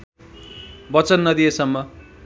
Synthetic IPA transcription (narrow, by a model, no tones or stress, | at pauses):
bʌt͡sʌnːʌd̪iesʌmːʌ